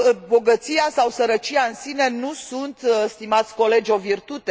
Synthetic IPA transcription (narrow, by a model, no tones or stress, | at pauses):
bo̞ɡət̪sijasawsəɾət͡ʃiaɨnsine̞nusunt̪st̪imat̪sʲko̞le̞d͡ʒʲo̞virt̪ut̪e̞